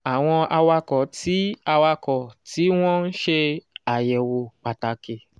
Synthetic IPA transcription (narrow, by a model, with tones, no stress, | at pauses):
a˨w̃ɔ̃˧ʔa˧wa˧kɔ˨˦tʰi˨˦a˧wa˧kɔ˨ti˨˦w̃ɔ̃˦n̩˦ʃe˧a˨jɛ˨wo˨k͡pa˨ta˨ke˨